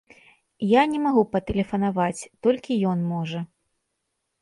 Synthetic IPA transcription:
janʲɛmaɣupɐt̪ɛlʲɛfɐnavat͡sʲt̪ɔlʲkʲijɔnmɔʐɐ

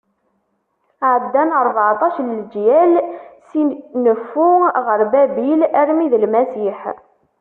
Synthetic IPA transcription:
ʕəd̪ːænəɾˤvʕt̪ˤɑʃləld͡ʒjælsinəfːuʁəɾbæbilæɾmiðlmæsiħ

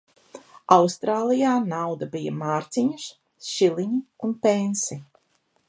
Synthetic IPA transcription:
awst̪ɾaːlˠijaːnawd̪ɐbija̰maːɾt̪siɲuʃ | ʃilˠiɲiunpensi

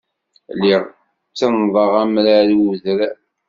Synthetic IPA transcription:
liʁ | t͡sːənðˤəʁæmɾaɾuðɾ

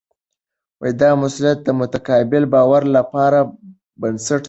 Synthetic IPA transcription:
wajd̪ɑmʊsʊljat̪̚d̪əmʊt̪akɑbɪlbɑwaɾlapɑɾa | bənsaʈ

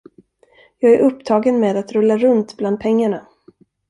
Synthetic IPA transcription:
jɑːɡæɾʔɵpːt̪ʰɑːɡənmeːd̪at̪ɾɵlːaɾɵnt̪bland̪̚pʰɛŋːaɳa

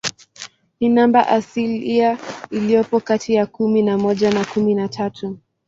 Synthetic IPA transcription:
hinamba̰ʔasiliailijɔpɔkatʰijakuminamɔʄanakuminatʰatʰu

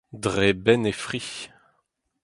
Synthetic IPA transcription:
dʁebɛnefʁi

